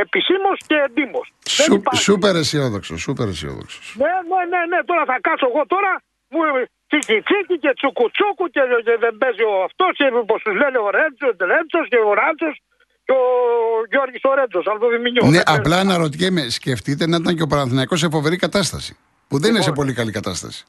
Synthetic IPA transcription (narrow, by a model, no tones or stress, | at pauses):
episimosced̪imossðeupɐsupeɾesio̞ðokso̰supeɾḛsḭo̰ðo̰kso̥snenene̞ne̞t̪o̞ɾɐθɐkɐsoeɣo̞t̪o̞ɾɐ | mu | t͡sicit͡sicice̞t͡sukut͡sukuceeðembezioɐft̪o̞scepost̪uzleneoɾent͡soɾent͡sosceoɾɐnt͡sos | ceoʝoɾʝisoɾent͡sosɐft̪oðimiɲoneʔɐplɐnɐɾot̪̬icemesce̞ft̪it̪̬enɐit̪ɐɲceopɐɾɐnθinɐiko̞s̬efo̞ve̞ɾikɐt̪ɐst̪ɐ̰si̥ | puðeninesepo̞likɐlikɐt̪ɐst̪ɐ̰si̥